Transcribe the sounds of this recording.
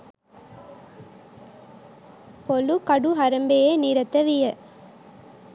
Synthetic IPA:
pɔlukɐɽuɦɐɾɐmbejeːniːɾɐt̪ːɐʋɪjɐ

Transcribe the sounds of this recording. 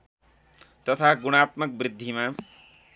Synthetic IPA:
t̪ʌt̪ʰaɡuɽ̃aːt̪mʌk̚bɾɪd̪ʱːima

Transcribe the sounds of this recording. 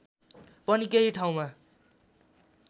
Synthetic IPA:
pʌnikeɦiʈʰaw̃ma

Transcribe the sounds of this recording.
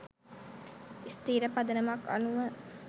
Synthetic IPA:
ist̪iːɾəpɐd̪ənəmakɐ̰nuʋə

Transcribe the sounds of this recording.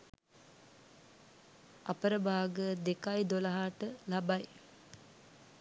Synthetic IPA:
apəɾəbaːɡəd̪ekajd̪oləɦaːʈəlabaj

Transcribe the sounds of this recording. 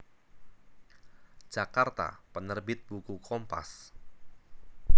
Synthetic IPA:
d͡ʒakart̪a̰pənərbɪt̪̚b̥ukukʰɔmpa̰s

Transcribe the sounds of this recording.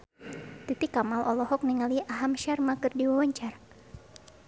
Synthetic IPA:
t̪it̪ikamalʔɔlɔhɔk̚niŋaliʔaɦamʃarmakɨrdiwawaɲt͡ʃar

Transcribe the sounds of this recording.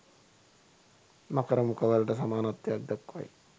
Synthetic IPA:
mɐkɐɾɐmukɐʋɐlʈɐs̬ɐmaːnɐt̪ːjɐk̚d̪ɐkːʋɐ̰j

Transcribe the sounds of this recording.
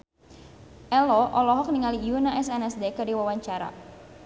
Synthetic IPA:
ʔɛlɔʔɔlɔɦɔk̚niŋalijunaʔɛsɛnɛsdekədiwawaɲt͡ʃaɾa̰

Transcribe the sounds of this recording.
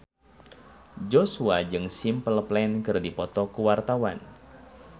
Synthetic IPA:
d͡ʒɔsuad͡ʒɨŋsimpəlplɛnkɨrdipɔt̪ɔkuwart̪awan

